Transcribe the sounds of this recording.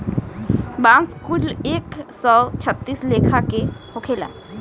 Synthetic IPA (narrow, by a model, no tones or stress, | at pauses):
bãːnskʊleːksɔːt͡ʃʰət̪ːiːsleːkʰakehokʰeːla̰ː